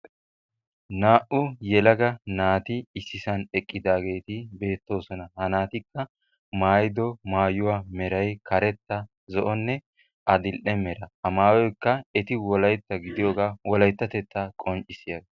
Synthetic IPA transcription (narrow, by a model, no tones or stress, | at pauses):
naːʔʊjɛlɐɡɐnaːt̪ɪːsːɪsɐnɛkʼːɪd̪aːɡe̞ːt̪ɪbe̞ːt̪ːo̞ːsɔnɐhɐnaːt̪ɪkːɐ | maːjɪd̪ɔmaːjʊwaːmɛɾɐjkʰɐɾɛt̪ːɐ | zɔʔɔnːɛ | ɐd̪ɪlʔɛmɛɾɐɐmaːwɔjkːɐɛt̪ɪwɔlɐjt̪ːɐɡɪd̪ɪjɔːɡaːwɔlɐjt̪ːɐt̪ɛt̪ːɐkʼɔnt͡ʃʼɪsɪjɐɡ